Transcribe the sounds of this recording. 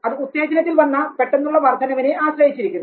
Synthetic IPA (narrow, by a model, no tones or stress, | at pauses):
ɐðɨut̪ːe̞ːd͡ʑɐnɐt̪ːilʋɐnːɐpe̞ʈːenːuɭːɐʋɐrd̪ʰʱɐnɐʋineʔaːɕrɐjit͡ɕːiɾikʲːunː